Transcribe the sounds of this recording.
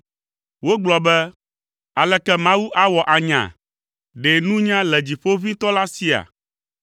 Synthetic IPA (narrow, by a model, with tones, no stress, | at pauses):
wo˦ɡ͡blɔ˨bɛ˦ | a˨lɛ˨kɛ˦mã˦wu˦ʔa˦wɔ˨ʔa˨ɲã̰˨ | ɖe˨nũ˦ɲã˦lɛ˨d͡ʑi˨ɸo˦vi˦t̪ɔ˦la˦si˦a̰˨